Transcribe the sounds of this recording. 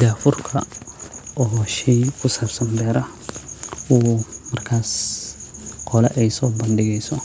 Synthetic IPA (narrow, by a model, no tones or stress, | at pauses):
d͡ʒaːfʊrkʰɐ | ɔːʃɛjkʰʊsɐbsɐndɛːɾɐ | wuːmɐrkʰaːs | qʰɔlɛʔɛjsɔːbɐndɪɣɛjsɔ